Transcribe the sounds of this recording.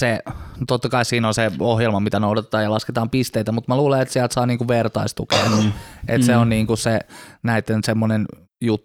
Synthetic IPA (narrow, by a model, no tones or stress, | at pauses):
set̪ot̪ːɑkɑissiːnonseohjelmɑmit̪ænoudɑt̪et̪ˑɑːjɑlɑsket̪ɑːmpist̪eit̪æmut̪mæluːleet̪siælt̪sɑːniːŋkuʋʋert̪ɑist̪ukḛːʔḛt̪seonniːŋkussenæit̪ːensemːonen | jut̪ː